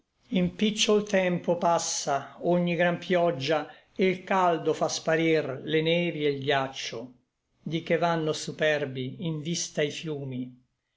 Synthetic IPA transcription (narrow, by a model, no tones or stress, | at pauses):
impit͡ʃːolt̪ɛmpopasːaoɲːiɡɾampʰjɔd͡ʒːa | eilkald̪ofaspaɾirlenɛːvielɡat͡ʃːo | d̪ikevanːosupɛrbiiɱvist̪aifjuːmi